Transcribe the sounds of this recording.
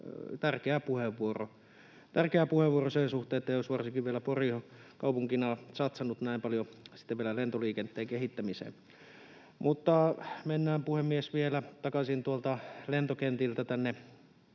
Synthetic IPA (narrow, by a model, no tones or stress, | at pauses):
t̪ærkeæpuheʋːuoro̰ | t̪ærkeæpuheʋʋuorosensuht̪ˑeːet̪ːæjosʋɑrsikiʋʋielæporihokɑupuŋkinɑsɑt̪sɑnut̪næimpɑljosi̥t̪ːeʋielælent̪oliːkent̪ːˑeːŋkehit̪ːæmisḛm | mut̪ːɑmenːæːmpuhemːiesʋielæt̪ɑkɑsint̪uolt̪ɑlent̪okent̪ilt̪æt̪ænːe